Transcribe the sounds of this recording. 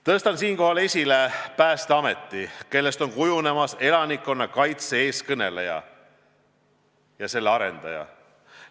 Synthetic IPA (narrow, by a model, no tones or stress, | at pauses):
t̪ɤst̪ɑnsiːnko̞ɦɑle̞sʲilepæːst̪eɑme̞t̪ːike̞lːe̞st̪o̞nkujune̞mɑse̞lɑnikːˑo̞nːɑkɑjt̪see̞ːskɤne̞lejɑ̰ | jɑse̞lːeɑɾe̞̰nd̪̥ɑjɑ̰